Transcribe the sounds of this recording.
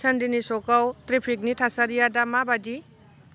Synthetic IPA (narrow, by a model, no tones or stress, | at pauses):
sɐndinisɔkawtɾipʰik̚nitʰasaɾijadamabadi